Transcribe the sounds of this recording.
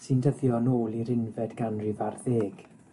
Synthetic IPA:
sɨndəðjɔnoːlˠiɾɪnvɛdɡanrɪvarðeːɡ̥

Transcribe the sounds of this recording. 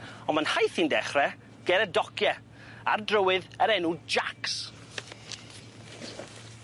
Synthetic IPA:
ɔnmənhajθindɛχrɛ | ɡ̥ɛɾɛdɔkʰjɛ | a̰rdrəwɨðəɾɛnud͡ʒaks

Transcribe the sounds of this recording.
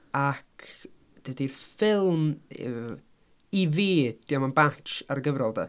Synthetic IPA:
akʰ | d̥ədirfɪlˠm̰ | iveːdd̥jamənbat͡ʃaɾɡəvɾɔlˠda̰

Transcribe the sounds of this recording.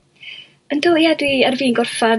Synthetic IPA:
əndoːjadwiərviːnɡɔrfa

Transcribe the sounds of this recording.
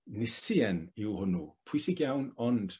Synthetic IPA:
nɪsiɛnɪwhʊnupʰʊsiɡjawnɔnd̥

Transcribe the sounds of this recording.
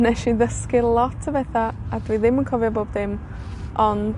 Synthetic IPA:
nɛʃiðəskɪlˠɔtʰəveːθaadwiːðɪmənkʰɔvjɔboːbðɪm | ɔn

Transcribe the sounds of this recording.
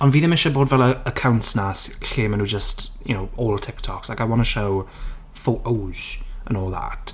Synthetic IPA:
ə̃nviːðɪ̃mɪʃəboːdvɛlˠəəkʰãwntsnasɬeːmə̃nud͡ʒəstjənoʊɔːlˠtʰɪk̚tʰɔkslaɪkaɪwɑ̃nəʃow | foʔoːz̥ə̃nɔːlˠða̰t

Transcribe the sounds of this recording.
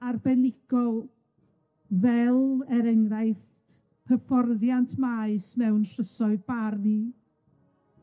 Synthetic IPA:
arbɛnɪɡ̥ɔ | vɛlˠɛɾəŋraɨθ | pʰəfɔrðjantʰmaɨsmɛwnrəsɔɨbarni

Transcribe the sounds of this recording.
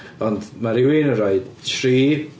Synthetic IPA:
ɔndmaɾɪwinənɾaɨd̥tʰriː

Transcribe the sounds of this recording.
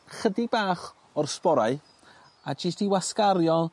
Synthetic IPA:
χədibaːχ | ɔrspɔɾaɨ | ad͡ʒɪstiwaskaɾjɔ

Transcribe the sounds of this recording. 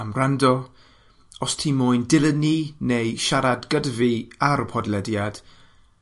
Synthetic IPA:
amrandɔ | ɔstʰiːmʊɨndɪlˠəniːnejʃaɾadɡədviaɾəpʰɔdlɛdjad̥

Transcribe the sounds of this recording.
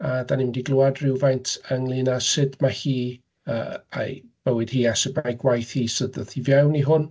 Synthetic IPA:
adanimndiɡlˠʊadrɪwvajntʰəŋlˠinasɪdmahiː | ə̰a̰b̥əwɨd̥hiːasɪbajɡwajθhiːsədəðivjɛwniɦʊn

